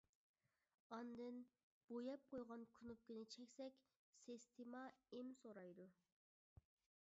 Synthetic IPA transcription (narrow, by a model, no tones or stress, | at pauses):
ɑnd̪ɨn | b̥ojɑp̚qʰojʁɑnkʲʰynup̚kʲynɪt͡ʃʰɛkʲsɛkʲ | sest̪ʰimɑemsoɾɑjd̪u